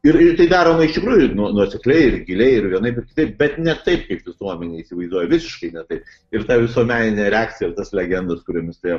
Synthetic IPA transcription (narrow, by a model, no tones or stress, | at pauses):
ɪɾɪt̪ɐɪd̪ɑːɾoːmɐɪʃt̪ʲɪkɾuːjʊnuɔnuɔsʲɛklʲɛɪɪrɡʲɪlʲɛɪɪɾʋʲiɛnɐɪpbʲɛtkʲɪ̥t̪ɐɪp̚bʲɛt̪nʲɛt̪ɐɪp̚kɐɪpʋʲɪsuɔmʲɛnʲeːiːsʲɪʋɐɪzd̪uɔjɛʋʲɪsʲɪʃkɐɪnʲɛt̪ɐɪp | ɪɾt̪ɑʋʲɪsuɔmʲæːnʲɪnʲɛːɾʲɛaːktt͡sʲɪjɛɪrt̪ɐslʲɛɡʲɛnd̪ɐskʊɾʲomʲɪst̪